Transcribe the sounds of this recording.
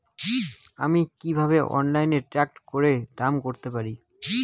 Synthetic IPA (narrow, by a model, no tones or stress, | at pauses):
amikibʱaβeʔɔ̰nlajneɾʈɾɛk̚ʈkoɾed̪amkoɾt̪epaɾi